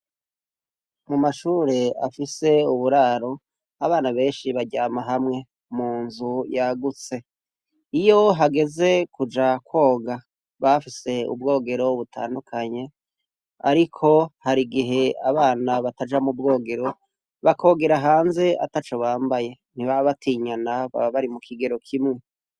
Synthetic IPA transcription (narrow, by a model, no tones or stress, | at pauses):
mumaʃuːɾe̞a̰fise̞uβuɾaːɾo̞ | aβaːnaβe̞ːnʃiβaɟaːmaɦamŋe̞ | muːnzujaɡut͡se̞ | ijo̞ɦaɡe̞ze̞kud͡ʒakwo̞ːɡa | βafise̞ṵb̚ɡo̞ːɡe̞ɾo̞βutʰa̰ːndukʰaɲe̞ | a̰ɾikʰo̞haɾiɡiɦe̞aβaːnaβatad͡ʒamub̚ɡo̞ːɡe̞ɾo̞ | βakʰo̞ːɡe̞ɾaɦaːnze̞ʔa̰tat͡ʃo̞βaːmbaje̞ | n̥iβaβatʰiɲanaβa̰βaɾimukʰiɡe̞ɾo̞kʰimŋe